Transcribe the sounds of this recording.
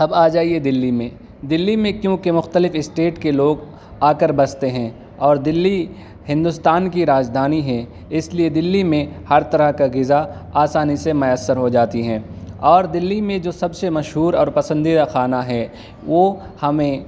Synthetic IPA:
ɐbaːd͡ʒaːied̪ɪlːimẽ | d̪ɪlːimẽkjõːkemʊxt̪əlɪfɪsʈeːʈkeloːɡ | aːkəɾbɐst̪eɦɛ̃ː | ɔːɾd̪ɪlːi | hɪ̃nd̪ʊst̪aːnkiɾaːd͡ʒd̪ʱaːniɦɛ | ɪslied̪ɪlːimẽhɐɾt̪ɐɾəɦkaɡɪzaaːsaːnisemɐjəsːəɾɦod͡ʒaːt̪iɦɛ̃ːɔːɾd̪ɪlːimẽd͡ʒoːsɐbsemɐʃɦuːɾɔːɾpɐsə̃nd̪id̪axaːnaɦɛː | ʋo | hɐmẽ

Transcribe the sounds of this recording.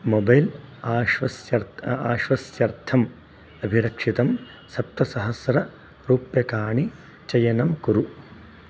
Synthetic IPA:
mobɐjlaːʋɐsjɐɾaːʃʋɐsjɐɾt̪ʰɐm | ɐbʱiɾɐkʂit̪ɐm | sɐp̚t̪ɐsɐɦɐsɾɐ | pɾuːpjɐkaːɳi | t͡ʃɐjɐnɐmkuɾu

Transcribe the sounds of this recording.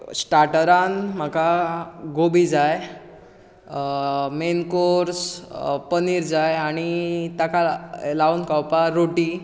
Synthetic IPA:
sʈaɾʈəɾanm̤əkaɡobid͡zaj | menkoɾspəniːɾd͡zajaɽ̃it̪akalaunkawpaɾoʈi

